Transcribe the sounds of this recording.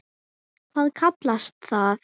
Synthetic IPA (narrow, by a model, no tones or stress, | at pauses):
kʰvaːðkʰat̪last̪θaθ